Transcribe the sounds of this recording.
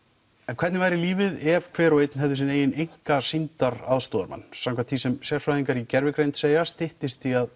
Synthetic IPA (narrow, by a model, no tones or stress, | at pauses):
ɛnkʰvɛɾt̪nɪvajɾɪliːvɪðɛv̥kʰvɛːɾɔejt̪nɦɛvðʏsɪneːjɪnejŋ̥kasint̪aɾa̰ðst̪ɔːðaɾma̰nːsawŋkʰat̪ʰisɛmsjɛɾ̥fɾaðiŋkaɾicɛɾvɪkɾejnt̪seːjast̪ɪht̪ɪst̪iað